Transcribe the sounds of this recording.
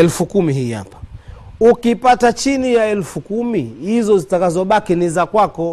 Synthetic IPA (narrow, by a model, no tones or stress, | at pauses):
ɛlfukumiɦiːha̰pḁukipatat͡ʃinijaɛlfukumihizɔzitakazɔɓakinizakwakɔ